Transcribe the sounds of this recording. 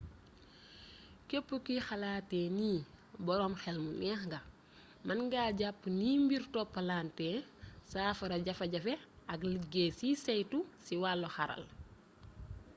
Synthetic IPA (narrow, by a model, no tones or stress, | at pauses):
kepːukixɐlaːtɛːniːbɔɾɔːmxɛlmunɛxŋɡɐ | mɐnɡaɟapːniːmbiɾtɔpːɐlaːntɛsaːfɐɾɐɟɐfɐɟɐfɛɐɡliɡɛsisɛjtusiwalːɔxɐɾɐ̰l